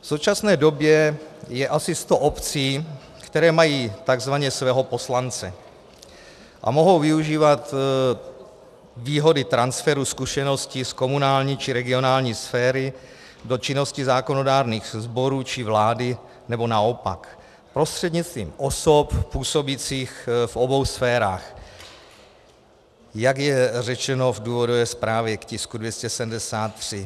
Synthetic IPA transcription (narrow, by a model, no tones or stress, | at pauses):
fsowt͡ʃasnɛːdo̞bjɛjɛʔasɪst̪o̞ʔopt͡siː | kt̪ɛɾɛːmajiːt̪aɡzvaɲɛsvɛːɦo̞po̞slant͡sɛ | ʔa̰mo̞ɦo̞wvɪuʒiːvat̪ | viːɦo̞dɪt̪ɾansfɛɾuskuʃɛno̞scɪsko̞munaːlɲiːt͡ʃɪɾɛɡɪo̞naːlɲiːsfɛːɾɪ | do̞t͡ʃɪno̞scɪzaːko̞no̞daːɾniːxzbo̞ɾuːt͡ʃɪvlaːdɪ | nɛbo̞naopa̰k | pɾo̞st̪r̥ɛdɲɪt͡st̪vḭːmʔosoppuːso̞bit͡siːxfobo̞wsfɛːɾaːx | jakjɛrɛt͡ʃɛno̞vduːvodovɛːspɾaːvjɛkcɪskudvjɛscɛsɛdmdɛsaːt̪ːr̝̥ɪ